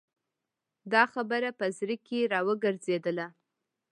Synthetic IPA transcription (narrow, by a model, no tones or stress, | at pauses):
d̪ɑxabəɾapəzɾikeɾɑwəɡəɾzed̪əla